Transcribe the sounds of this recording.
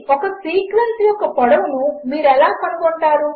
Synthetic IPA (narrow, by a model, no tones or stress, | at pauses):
ɔkɐsiːkʋɐnsijɔkːɐpɐɽɐmunumiːɾɛlaːpɐnɐɡɔɳʈaːɾu